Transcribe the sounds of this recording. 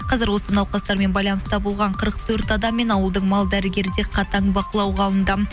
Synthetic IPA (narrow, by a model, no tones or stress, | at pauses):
qʰɑzɪɾwo̞sənɑwqɑst̪ɑɾme̞nbɑjlˠɑnəst̪ɑbolˠʁɑɴqʰəɾəq̚t̪ʰɵɾt̪ɑd̪ɑmːe̞nɑwəlˠd̪əɴmɑlˠd̪æɾɪɡʲe̞ɾɪd̪e̞qʰɑt̪ɑɴbɑqəlˠɑwʁɑlˠənd̪ɑ